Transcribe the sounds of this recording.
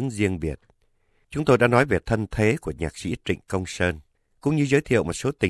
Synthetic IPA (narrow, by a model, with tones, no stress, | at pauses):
ŋzi˧əŋɓi˨˩ət̚ | t͡ɕʊ˨˦ŋ͡mt̪o˧jɗa̰ː˧˥nɔ˨˦jve˨˩t̪ʰə˧nt̪ʰe˨˦ku˧˩əɲaː˨˩k̚sḭ˧˥t͡ɕḭ˧˨ŋ̟kə˧wŋ͡msəː˧n | kʊ̰˧˥ŋ͡mɲɨ˧zəː˨˦jt̪ʰḭ˧˨ə˨wmo˨˩t̚so˨˦t̪ï˨˩